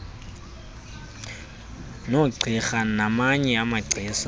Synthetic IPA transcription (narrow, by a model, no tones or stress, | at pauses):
noǀʱiχanamaɲɛamaɡ͡ǀʱiːsa